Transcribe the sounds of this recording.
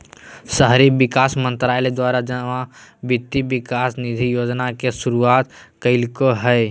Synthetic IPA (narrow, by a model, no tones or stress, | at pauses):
səɦɾibɪkaːsmə̃nt̪ɾaːjled̪waːɾad͡ʒəʋãbɪt̪ːibɪkaːsnɪd̪ʱijoːd͡ʒnakesʊɾuaːt̪kəɪlkoɦɛː